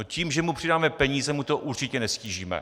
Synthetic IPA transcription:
ociːmʒɛmupr̥ɪdaːmɛpɛɲiːzɛmut̪o̞ʔuɾt͡ʃɪcɛnɛsciːʒiːmɛ̰

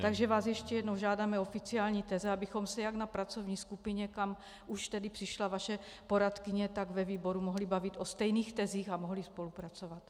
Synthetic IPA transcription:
t̪aɡʒɛvaːsjɛʃcɛjɛdnowʒaːdamɛo̞fɪt͡siaːlɲiːt̪ɛzɛabɪxo̞msɛjaɡnapɾat͡so̞vɲiːskupɪɲɛkam | uʃt̪ɛdipr̥ɪʃlavaʃɛpo̞ɾat̪kɪɲɛt̪aɡvɛviːbo̞ɾumoɦlibavit̪ʔost̪ɛjniːxt̪ɛziːxamoɦlispo̞lupɾat͡so̞vat̪

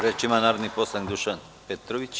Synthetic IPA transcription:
ɾet͡ʃimanaɾniposaŋd̪uʃan | pet̪ɾoβit͡ʃ

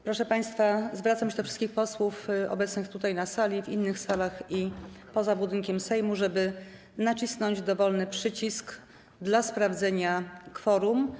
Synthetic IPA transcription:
pɾɔʂɛpaj̃st̪fazvɾat̪samɕɛd̪ɔfʂɘ̥st̪kʲixpɔswufɔ̰bɛt̪snɘxt̪ut̪ajnasalʲivʲinːɘxsalaxipɔzabud̪ɘŋkʲɛmsɛjmuʐɛbɘ | nat͡ɕisnɔɲd͡ʑd̪ɔvɔlnɘpʂɘt͡ɕisk | d̪laspɾavd̪zɛɲakfɔɾum

